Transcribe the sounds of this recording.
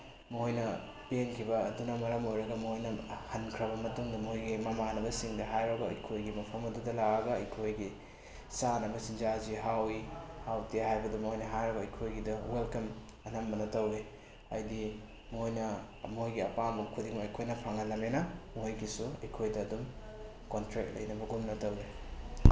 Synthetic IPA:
mojnɐ | penkʰibɐːdunɐmɐɾɐmojɾɐɡɐmojnɐhɐnkʰɾɐβɐmɐtuŋdɐmojɡimɐmanɐbɐsiŋdɐɦajɾɐɡɐɐ̰jkʰojɡimɐpʰɐmɐdudɐlaɡɐɡɐɐjkʰojɡi | sanɐbɐsind͡ʒaziɦawihawtiɦajbɐdɐmojnɐɦajɾɐɡɐɐjkʰojɡidɐwelkɐm | ɐnɐmbɐnɐtɐwɾe | ɐ̰jdi | mojnɐ | mojɡiɐpambɐkʰudiŋmɐɐjkʰojnɐpʰaŋɐnːɐmenɐmojɡisuɐjkʰojdɐːdum | kontɾekt̚lɐ̰jnɐbɐɡumnɐtɐwɾe

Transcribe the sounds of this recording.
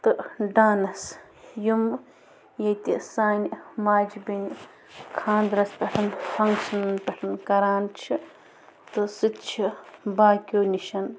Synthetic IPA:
t̪ɨɖaːnɐs | jum | jɐjt̪isaːnʲmaːd͡ʒbinʲ | kʰãːnd̪ɾɐspʲɐʈʰɐnfʰɐŋkʃɐnɐnpʲɐʈʰɐnkɐɾaːnt͡ʃʰi | t̪ɨsɨt̪t͡ʃʰibaːkʲoːniʃɐn

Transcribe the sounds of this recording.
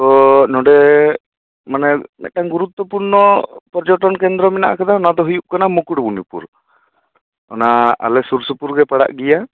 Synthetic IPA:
t̪ɔnɔɖɛ | manɛmɛ̰t̪̚ʈaŋɡuɾut̪ːwɔpuɾnɔpɔɾd͡ʒɔʈɔnkɛnd̪ɾɔmɛna̰ʔkad̪aɔnad̪ɔɦujuʔkanamukuɽbunipṵɾ | ɔ̰naa̰lɛsuɾsupuɾɡɛpaɽa̰ʔɡija

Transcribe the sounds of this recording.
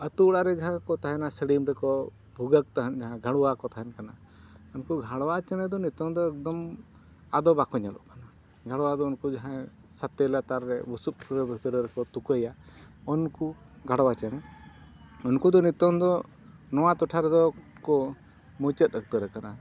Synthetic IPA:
ət̪uɽaɾɛd͡ʒaɦãkɔt̪ʰaɦɛnasəɽimɾɛkɔ | bʱuɡək̚t̪aɦənd͡ʒaɦãɡʱaɽɔwakɔt̪ʰaɦɛnkana | unkuɡʱaɽwat͡ʃɛnɛd̪ɔnit̪ɔŋd̪ɔɛk̚d̪ɔm | ad̪ɔbakɔɲalɔ̰ʔkana | ɡʱaɽwad̪ɔunkud͡ʒaɦã | sat̪ːɛlat̪aɾːɛbɔsup̚ɾɛbʱikt̪əɾɛɾɛkɔt̪ukəjaɔnku | ɡʱaɽwat͡ʃənɛ | ɔnkud̪ɔnit̪ɔmd̪ɔ | nɔwat̪ɔʈʰaɾɛd̪ɔkɔ | mɔt͡ʃət̪̚ˀək̚t̪əɾɛkana

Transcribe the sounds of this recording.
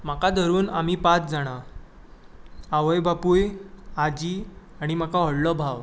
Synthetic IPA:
makad̪ʱəɾuːnam̤iːpat͡sd͡zaɽ̃a | aʋəjbapujad͡ʑiː | aɽ̃im̤akaɦɔɽlɔbʱaʋ

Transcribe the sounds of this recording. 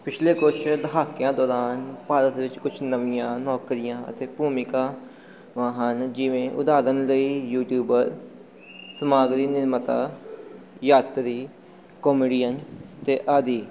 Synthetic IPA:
pɪt͡ʃʰleːkʊt͡ʃʰd̪əɦaːkːɪjãːd̪ɔːɾaːnpaːɾət̪ʋɪt͡ʃkʊt͡ʃʰnəʋɪjãːnɔːkɾɪjãːə̰t̪eːpuːmɪkãː | ʋãːɦənd͡ʒɪʋẽːʔʊ̰d̪aːɾənləiːjuːʈjuːbəɾ | səmaːɡɾiːnɪɾmət̪a̰ː | jaːt̪ɾiː | kɔːmiːɖijənt̪eːʔaːd̪iː

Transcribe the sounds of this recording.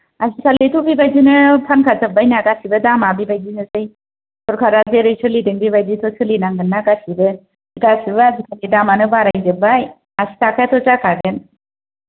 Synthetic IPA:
asikʰalit̪ʰubibajd͡ʒinɯpʰankʰat͡səbajnakasibədamabibajd͡ʒinɯsəj | t̪ʰɔɾkʰaɾazeɾɯjt͡ʃʰəlidɯŋbibajd͡ʒit̪ʰɔt͡ʃʰəlinaŋɡɯnːaɡasibə | ɡasɯbɯazikʰalidamanɯbaɾajdɯbaj | asi̥t̪akʰat̪ʰɔt͡ʃakʰaɡen

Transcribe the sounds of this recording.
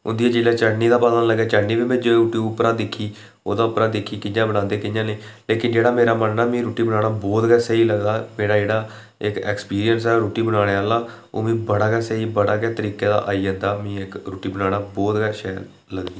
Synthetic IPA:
ʊ̰nd̪iːaːd͡ʒɪlɛːt͡ʃəɽniːd̪aːpəlaːnləɡɛːt͡ʃəɽniːbiːmɛ̃ːd͡ʒoːeuʈiːʊpɾãːd̪ɪkʰːiː | o̰ːd̪aːʊpɾãːd̪ɪkʰːiːkɪnjãːbəɽãːnd̪eːkɪɲjãːneːleːkɪnd͡ʒeːɽaːmeːɾaːmənːaːmĩːɾoːʈiːbəɽãːɽaːbɔːt̪ɡɛːsəiːləɡd̪aːmeːɽaːd͡ʒeːɽaː | ɪkɛːkspiːɾijənsɛːɾoːʈiːbəɽaːɽ̃eaːlaː | o̰ːmĩːbəɽaːɡɛːsəiːbəɽaːkɛːt̪əɾiːkeːd̪a̰ːʔaːiːd͡ʒə̃ːnd̪aːmĩːɪkɾoːʈiːbənaːɽaːbɔːt̪ɡɛːʃɛːl | ləɡd̪iː

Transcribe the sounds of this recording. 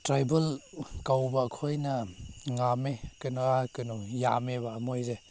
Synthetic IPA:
tɾajbɐlkawbakʰojnɐŋamekɯnuakɯnujameβamojɾe

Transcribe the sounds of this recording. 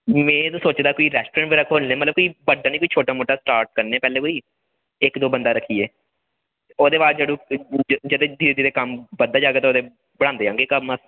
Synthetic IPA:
mɛ̃ːt̪õːsoːt͡ʃd̪aːkoːiːɾɛːsʈoɾɛ̃ːɳʈʋeːɾəkʰːoːlnẽːmət̪ləbkoːiːbəɖaːnĩːkoːiːt͡ʃʰoːʈaːmoːʈaːsʈaːɾʈ̚kəɾneɛːpɛːleːkoːiː | ɪkd̪oːbənd̪aːɾəkʰːiːeː | oːd̪eːbaːɾd͡ʒəɽũːd͡ʒəd̪eːd̪iːeːd̪iːd̪eːkəmbəd̪aːd͡ʒaːɡeːt̪ãoːd̪eː | bəɽãːnd̪eːãːŋɡeːkəma

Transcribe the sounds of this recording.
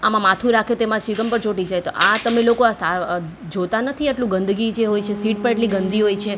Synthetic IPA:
amãmat̪ʰũɾakʰjot̪emãsʋiɡəmpəɾt͡ʃoʈid͡ʒajt̪oʔat̪əmelokoasa | d͡ʒot̪anət̪ʰiaʈlũɡə̃nd̪ʱɡid͡ʒeɦojt͡ʃʰesiʈ̚pəɾeʈliɡənd̪ʱiɦojt͡ʃʰe

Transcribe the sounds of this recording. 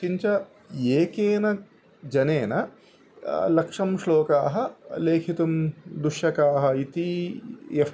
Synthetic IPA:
iɲt͡ʃɐ | eːkeːnɐ | d͡ʒɐneːnɐ | lɐkʂɐmʃlɔːkaːɦɐleːkʰit̪ɐmd̪uʂjɐkaːɦɐit̪i | e

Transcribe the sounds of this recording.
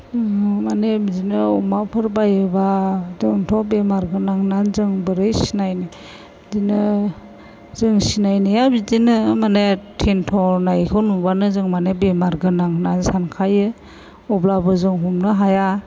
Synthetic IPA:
manebzinɯɔmapʰɯɾbajɯbazɯtʰɔbemaɾɡɯnaŋnanzɯŋbɯɾɯjsinajni | zinɯ | zɯŋsinajnijabidinɯmanetʰentʰɔnajkʰɯnubanɯzɯŋmanebemaɾɡɯnaŋnansankʰajɯ | ɔblabɯzɯŋɦumnɯɦaja

